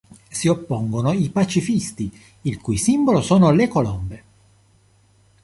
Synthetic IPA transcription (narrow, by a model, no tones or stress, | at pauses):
siopːoŋɡonoipat͡ʃifist̪i | ilkujsimbolosoːnolekolɔmbe